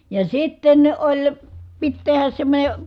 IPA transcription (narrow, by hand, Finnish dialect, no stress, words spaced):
jɑ sitːen olʲ pit tehæs semːonʲe